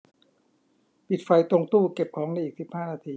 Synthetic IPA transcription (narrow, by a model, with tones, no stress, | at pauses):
pi˨˩t̪̚fa˧jt̪o˧ŋt̪uː˥˩ke˨˩p̚kʰɔː˩˦ŋna˧jʔiː˨˩k̚si˨˩p̚haː˥˩naː˧t̪ʰiː˧